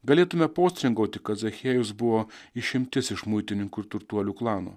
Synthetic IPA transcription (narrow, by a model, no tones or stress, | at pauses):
ɡɐlʲeːt̪ʊmʲɛpoːsʲt̪ʲɾʲɪŋɡɐʊt̪ʲɪkɐt̪zɐxʲeːjʊsbʊʋoːɪʃʲɪmʲt̪ʲɪsɪʃmʊɪt̪ʲɪnʲɪŋkuɪɾt̪ʊɾt̪uɔlʲuːklˠɑːnṵː